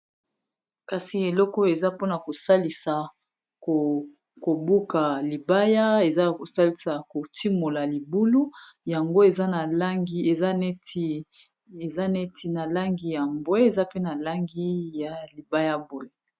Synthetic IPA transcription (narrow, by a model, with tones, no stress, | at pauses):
ka˨si˨e˨lɔ˦kɔ˦e˨za˦po˦na˨ko˨sa˦li˨sa˨ | ko˨ | ko˨bu˦ka˨li˨ba˦ja˦e˨za˦ko˨sa˦li˨sa˨ko˨ti˦mo˨la˨li˨bu˦lu˦ | ja˨ŋɡo˦e˨za˦na˨la˦ŋɡi˦e˨za˦ne˦ti˦ | e˨za˦ne˦tʰi˨na˨la˦ŋɡi˦ja˨mbwe˦e˨za˦pe˦na˨la˦ŋɡi˦ja˨li˨ba˦ja˦bo˨˦je˨